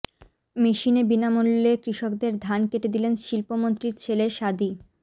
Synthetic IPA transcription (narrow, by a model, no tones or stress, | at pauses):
meʃinebinamulːekɾiʃokd̪eɾd̪ʱankeʈed̪ilenʃilpomont̪ɾiɾt͡ɕʰeleʃad̪i